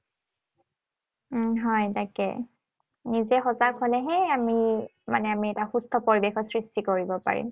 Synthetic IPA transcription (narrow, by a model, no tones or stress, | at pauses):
ɦɔjtakɛ̰ | nizɛxɔzakhɔlɛɦɛamima̰nɛamiɛtaxustʰɔpoɹibexɔsɹistikoɹibɔpa̰ɹḭm